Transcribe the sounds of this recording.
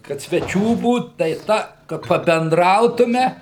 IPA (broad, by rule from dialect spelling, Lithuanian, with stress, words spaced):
kɐt sʲʋʲɛˈt͡ʃʲuː ˈbuːt tɐɪ ˈtɐ kɐ pɐbʲɛnˈdrɐʊtʊmʲɛ